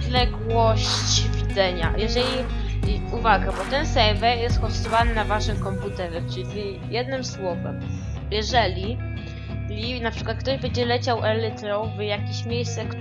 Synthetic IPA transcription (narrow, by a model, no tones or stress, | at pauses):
lɛɡwɔɕt͡ɕvʲid̪zɛɲa̰jɛʐɛlʲi | uvaɡabɔt̪ɛnsɛɾvɛjɛst̪xɔst̪ɔvanɘnavaʂɘmkɔmput̪ɛɾɛt͡ʂɘii | jɛd̪nɘmswɔvɛ̰m | jɛʐɛlʲi | inapʂɘkwat̪k̚t̪ɔʑbɛɲd͡ʑɛlɛt͡ɕawʔɛlɛt̪ɾɔvjakʲiɕmʲjejst̪sɛk